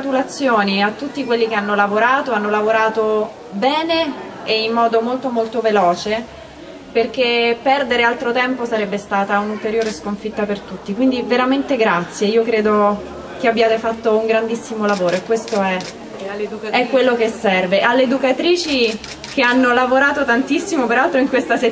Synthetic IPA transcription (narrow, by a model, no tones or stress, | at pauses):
t̪ulat̪sːjoːniat̪ːut̪ːikwelːikeanːolavoɾaːt̪oanːolavoɾaːt̪o | bɛːneː | imːɔːd̪omolt̪omolt̪ovelɔːt͡ʃe | perk̟epɛrd̪eɾealt̪ɾot̪ɛmposaɾɛbːest̪aːt̪aunult̪eɾjoːɾeskoɱfit̪ːapert̪ut̪ːikwind̪iveɾament̪eɡɾat̪sːjeiːokɾeːd̪o | k̟eabːjaːt̪efat̪ːouŋɡɾand̪isːimolavoːɾoekːwest̪oɛ | ɛkːwelːokesːɛrveʔalːeːd̪ukat̪ɾiːt͡ʃi | k̟eanːolavoɾaːt̪ot̪ant̪isːimopeɾalt̪ɾoiŋkwest̪ase